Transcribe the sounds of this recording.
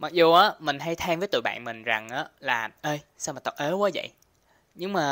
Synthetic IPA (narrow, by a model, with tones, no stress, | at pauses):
ma˨˩k̚zu˨˩ʔaː˨˦mï˨˩ŋ̟ɦa˧jt̪ʰɛ˧mvəː˨˦jt̪ṵ˧˨ɓa̰ː˧˨nmï˨˩ŋ̟za˨˩ŋʔaː˨˦laː˨˩ʔəː˧j | saː˧wmaː˨˩t̪ə˨˩ʔəː˨˦waː˨˦zə̰˧˨j | ɲɨ˧ŋmaː˨˩